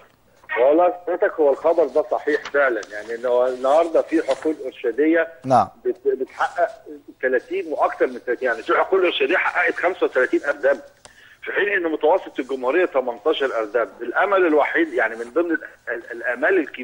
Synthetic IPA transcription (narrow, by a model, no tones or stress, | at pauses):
wælˤːɑːsɑd̪ɾet̪ækhowːælxɑb̪ˤɑɾˤd̪æsˤɑħiːħfeʕlænjaʕniʔnːænːɑhɑɾˤd̪ˤɑfiːħoquːlʔeɾʃæːd̪ejːænabet̪bet̪ħaʔːæʔt̪ælæːt̪iːnweʔɑkt̪ɑɾˤment̪ːælæt̪iːjaʕnifiːħoquːlʔeɾʃæd̪ejːaħaʔːæʔet̪xæmsæwet̪ælæt̪iːnʔæɾd̪æːb | fiħiːnʔenːmʊt̪æwɑsˤːet̪ˤelɡʊmhuɾejːæt̪æmɑnt̪ˤɑːʃɑɾˤʔɑɾd̪æːbelʔæmælelwaħiːd̪jaʕnimɪnd̪ˤɨmnelʔælʔæmæːlelk